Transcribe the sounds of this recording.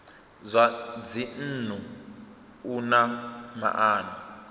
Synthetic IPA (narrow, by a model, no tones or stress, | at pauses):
zʷad͡zin̩ːn̤u | unama̰ʔaːni